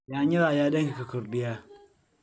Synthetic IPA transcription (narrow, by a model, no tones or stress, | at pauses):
jaɲiɾajadɐkikakuɾdija